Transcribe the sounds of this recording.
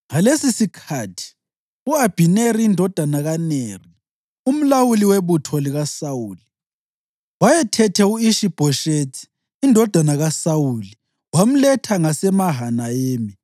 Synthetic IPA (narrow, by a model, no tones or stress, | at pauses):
ŋalesisikʰatʰi̥ | uab̥ʱineɾiːndʱɔd̥ʱanaɣaneri | um̩lawuliweβutʰɔliɣasawuːli | wajɛtʰɛtʰɛuiʃib̥ʱɔʃetʰi̥ː | ndʱɔd̥ʱanaɣasawuli | wam̩lɛtʰaŋasɛmaɦanajeːmi